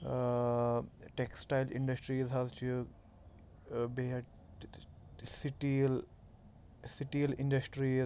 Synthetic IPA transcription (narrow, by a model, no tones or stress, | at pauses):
ʈeksʈaɪlʔɪ̰̃ɳɖəsʈɾizɦazt͡ʃu | be | sɪʈil | sɪʈilɪ̃ɳɖəsʈɾi